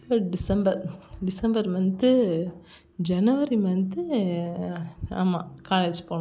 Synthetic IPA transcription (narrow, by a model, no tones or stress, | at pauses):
pɐɖɪsɐmbɐɾɖɪsɐmbɐɾmɐnd̪ɯ | d͡ʒɐnɐʋɐɾimɐnd̪ɯ | a̰ːmːaːkaːlɐːd͡ʒpoːɳ̃